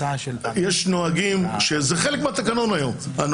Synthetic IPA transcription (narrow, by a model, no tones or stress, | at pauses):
jeʃnoaɡimʃezeχelekmeat̪akano̞najo̞man